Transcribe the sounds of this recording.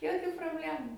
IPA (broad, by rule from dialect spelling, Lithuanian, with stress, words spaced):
joːˈkʲuː proːbʲˈlʲæːmʊ